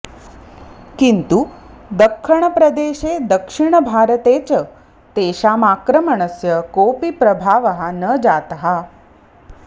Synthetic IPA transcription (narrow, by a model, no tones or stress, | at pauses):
kint̪ud̪əkʃəɳ̃əpɾəd̪eːʃed̪əkʂiɳ̃əbʱaːɾət̪eːt͡ɕə | t̪eːɕaːmaːkɾəməɳ̃əsjəkoːpipɾɐbʱaːʋəɦanəd͡ʑat̪ɦa